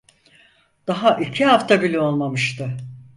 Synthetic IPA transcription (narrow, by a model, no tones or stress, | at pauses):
d̪̥aɦaʔicʰiɦaft̪ʰabilʲyo̞lˠmamɯʃt̪ʰɯ